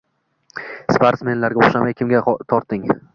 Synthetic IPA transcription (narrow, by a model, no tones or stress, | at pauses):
spaɾt̪sme̞nlaɾɡʲaoχʃamajkʲʰɪmɡʲat̪ʰɒɾt̪ːɪŋ